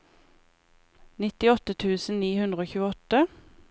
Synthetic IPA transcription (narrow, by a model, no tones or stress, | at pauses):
nɪt̪ɪɔt̪ət̪ʰʉːsn̩niːhʉnd̪ʁəoːçʉːəɔt̪ə